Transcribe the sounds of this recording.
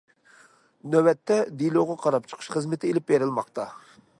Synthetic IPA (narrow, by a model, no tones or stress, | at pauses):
nøwɛt̪ʰːɛd̪ilˠoʁɑqʰɑɾɑp̚t͡ʃʰə̥qʰəʃχəzmɪt̪ʰɪelɪpbeɾɪlˠmɑqt̪ɑ